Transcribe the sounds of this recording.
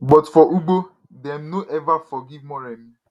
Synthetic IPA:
bɔtfɔʔuɡ͡bo | dɛm̩noʔɛvafɔɡivmɔɾɛm̩

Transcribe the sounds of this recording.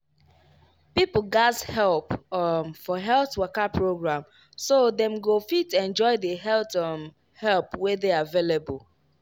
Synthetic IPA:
pipl̩ˠɡazhɛlˠpmfɔɦɛlˠθwɜkapɹoɡɹãm | sodɛ̃mɡofitɛ̃nd͡ʒɔɪdəɦɛlt | hɛlˠpwɛðeaavelebəl

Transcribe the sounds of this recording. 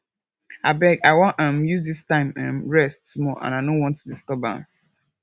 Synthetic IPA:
abɛɡaɪwɔ̃ʔʌ̃mjusdistãɪ̃mʌ̰̃mɹɛstumɔʔã̰naɪdõnwɔ̃ntudiskɔbã̰ns

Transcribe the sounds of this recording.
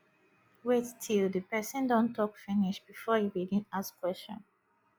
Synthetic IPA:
wettʰilðɨpɛsə̃ndɔ̃ntʰɔkfiniʃb̥ifɔhiɹidĩnaskwɛst͡ʃɔ̰̃n

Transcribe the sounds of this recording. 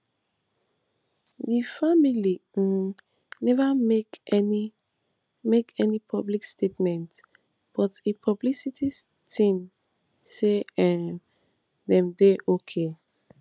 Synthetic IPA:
difamili | nɛvamekɛni | mekɛnipʰɔblikstʰetmɛ̃nt | b̥ɔtipʰɔblisitʰis | tʰĩm | seɛ | dɛ̃mdeʔokʰe

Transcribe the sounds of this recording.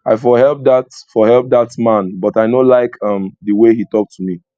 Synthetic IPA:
aɪfɔɦɛlp̚datfɔɦɛlp̚d̪atmãnbɔtaɪnolaɪkʰʌ̃mdəwehitɔk̚tʰːumi

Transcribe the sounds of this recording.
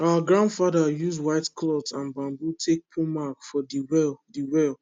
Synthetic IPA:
awəɡɹãndfadajuzwaɪtkʰlɔtãnbãmbutʰek̚pʰumakfɔdiwɛldiwɛl

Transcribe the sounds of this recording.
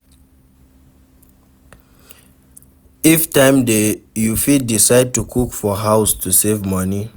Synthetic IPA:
iftãɪ̃mdejufidisaɪd̚tukʰukfɔɦaʊstʰusevmʌni

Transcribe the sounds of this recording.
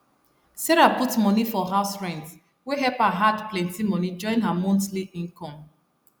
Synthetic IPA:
sɛɹaputmɔnifɔɦaʊsɹɛ̃ns | weɦɛpaɦadplɛ̃ntĩmɔnid͡ʒɔ̃ɪ̃nɦamɔ̃ntliĩnkʰɔ̃m

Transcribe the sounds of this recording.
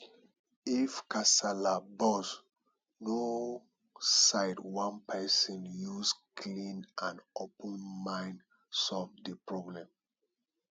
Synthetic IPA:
ifkasalabɔs | no | saɪdwãnpʰɛsɔ̃njuskʰlĩnãnopɔ̃nmãɪ̃n | sɔlvdəpɹɔblɛ̃m

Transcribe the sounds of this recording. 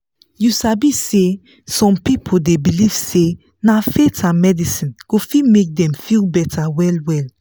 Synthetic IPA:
jusabisse | sɔ̃mpipʰoldebiliv̥se | nafetʰãnmɛdisĩnɡ̥ofimek̚dɛ̃mfilbɛtʰawɛlwɛl

